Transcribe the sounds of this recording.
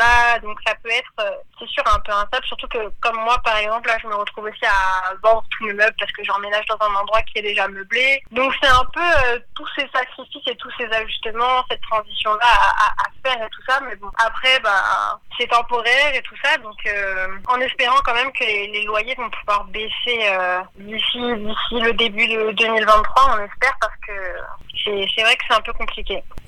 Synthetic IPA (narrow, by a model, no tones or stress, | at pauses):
ad̪ɔ̃ksapøɛt̪χøsɛsyʁɛ̃pøɛ̃st̪ablsyʁt̪ukəkɔmːwapaʁɛɡzɑ̃plaʒəməʁət̪χuvosiavɑ̃d̪ʁət̪ʰuməmœblpaʁskəʒɑ̃menaʒd̪ɑ̃zɛ̃nɑ̃d̪ʁwakʲiɛd̪eʒamœbled̪ɔ̃ksɛt̪ɛ̃pøøt̪usesakχifiset̪usezaʒyst̪əmɑ̃sɛt̪ːχɑ̃zisjɔ̃laaʔafɛʁet̪u̥samɛbɔ̃ʔapχɛba̰sɛt̪ɑ̃pɔʁɛʁet̪usad̪ɔ̃køɑ̃nɛspeʁɑ̃kɑ̃mɛmkəlelelwajevɔ̃puvwaʁbeseø | d̪isid̪isiləd̪ebyd̪əd̪ømilvɛ̃t̪t̪ːχwaɔ̃nɛspɛʁpaʁsə̥kəsɛsɛvʁɛkə̥sɛt̪ɛ̃pøkɔ̃plikʲe